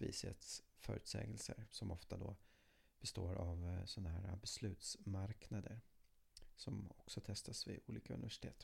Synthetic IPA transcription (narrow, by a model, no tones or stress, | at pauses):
viːsɪət̪sfœːɾʉːt̪sɛ̰ːɡəlsəɾsɔmɔft̪ad̪ɔ | b̥ɛst̪oːɾavsɔnːaɦæːɾabɛslʉ̟ːt̪smaɾknad̪əɾ | sɔmɔksɔt̪ʰɛst̪ʰasvɪʔuːliːkaɵnɪvæʂɪ̥t̪ʰeːt̪